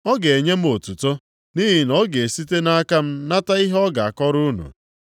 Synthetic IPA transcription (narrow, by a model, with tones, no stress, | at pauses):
ɔ˦ɡe˨e˨ɲe˦m̩˦o˨tu˨to˦ | ni˦ɦi˨nɔ˦ɡe˨e˨si˦te˦na˦a˦ka˦m̩˦na˦ta˦i˦ɦɔ˦ɡa˨a˨kɔ˦ɾʊ˦nṵ˨